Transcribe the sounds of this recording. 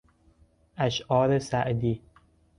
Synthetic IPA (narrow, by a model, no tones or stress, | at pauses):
ʔæʃʔɒːɾesæʔd̪iː